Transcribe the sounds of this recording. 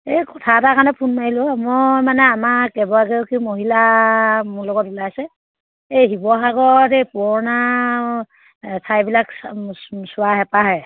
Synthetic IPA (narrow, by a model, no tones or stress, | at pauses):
ejkɔtʰatakanɛpʰunmailʊamɔmanɛamakɛbɔaɡewkimoɦilamʊlɔɡɔtulajasɛ | ejɦibɔɦaɡɔtejpɔɹna | sʰajbilak | sʊwaɦɛpaɦɛj